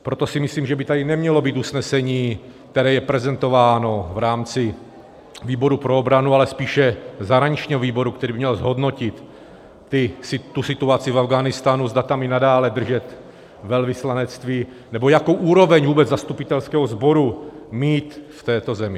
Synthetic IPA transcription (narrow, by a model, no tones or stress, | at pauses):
pɾo̞t̪o̞sɪmɪsliːmʒɛbɪt̪adɪnɛmɲɛlo̞biːt̪usnɛsɛɲiː | k̚t̪ɛɾɛːjɛpɾɛzɛnt̪o̞vaːno̞vɾaːmt͡sɪ | viːbo̞ɾupɾoobɾanualɛspiːʃɛzaɦɾaɲit͡ʃɲiːɦoviːbo̞ɾukt̪ɛɾiːbɪmɲɛlzɦo̞dno̞cɪt̪ː | ɪsɪt̪ːusɪt̪uat͡sɪvavɡaːnɪst̪anuzd̪at̪amɪnadaːlɛd̪r̩ʒɛt̪ | vɛlvɪslanɛt͡st̪viː | nɛbo̞jakowʔuːɾo̞vɛɲvuːbɛd͡zzast̪upɪt̪ɛlskɛːɦozbo̞ɾumiːt̪ft̪ɛːt̪o̞zɛmɪ